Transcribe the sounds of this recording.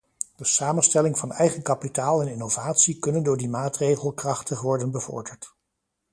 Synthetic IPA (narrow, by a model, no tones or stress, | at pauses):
d̥əsaːmənstɛlɪŋvɑnɛjχənkɑpitaːlˠɛnɪnowvaːtsikɵnəndʊːɹdimaːtrejχəlˠkrɑχtəχʋɔɹdənbəvɔ̰ɹdəɹt